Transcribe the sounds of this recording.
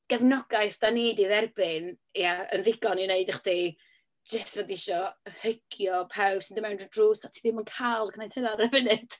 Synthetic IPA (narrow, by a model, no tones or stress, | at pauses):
ɡ̥ɛvnɔɡaɨθd̥aniːdiðɛrbɪn | jaə̰nðɪɡɔnineɨdaχd̥i | d͡ʒəstvədiɪʃɔhəkʰjɔpʰawb̥sɪndəmɛwnrədruːsatʰiðɪmənkʰalˠkʰnajd̥hənaɾəvɪnɨd̥